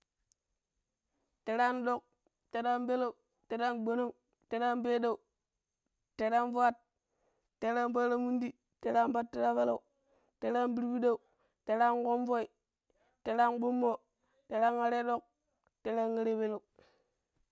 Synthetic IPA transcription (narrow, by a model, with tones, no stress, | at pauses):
te˦ɾa˦nɗo˦k̚ | te˨ɾa˦nbe˦la˦˨u˨ | te˨ɾa˦nɡ͡bo˨no˦ŋ | te˦ɾa˦nbe˦ɗa˨u˨ | te˨ɾa˦nva˦t̚ː | e˨˦ɾa˦nba˦ɾa˦mu˦ndi˦ | te˨ɾa˦nba˦tːe˦ɾa˦βa˦la˦˨u˨ | te˦ɾa˦nbi˦ɾbi˦da˦u˨ | te˨ɾa˦nko˦mvo˦i˨ | te˨ɾa˦nɡ͡bo˦mːo˦ | te˨ɾa˦ŋa˦ɾe˦ɗo˦˨k̚ | te˦ɾa˦ŋːa˦ɾe˦be˦lo˨u